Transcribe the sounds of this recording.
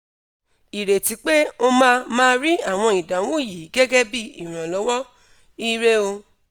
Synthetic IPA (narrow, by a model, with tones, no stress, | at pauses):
i˨ɾe˨ti˨˦k͡pe˦o˧mãː˦˧mãː˦˧ɾi˦a˦˨w̃ɔ̃˧i˨dã˨˦wũ˦˨ji˨˦ɡɛ˦ɡɛ˦bi˦i˦˨ɾ̃ã˨lɔ˨˦wɔ˦ | i˦ɾe˦o˧